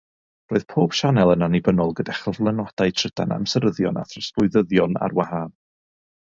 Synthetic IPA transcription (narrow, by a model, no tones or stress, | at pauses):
roːɨð̥pʰoːb̥ʃanɛlˠənanibənɔlˠɡədaχəvlˠɛnwɔd̥ajtʰr̥əd̥a̰na̰msəɾəðjɔna̰θrɔsʊɨðəðjɔna̰rwaɦan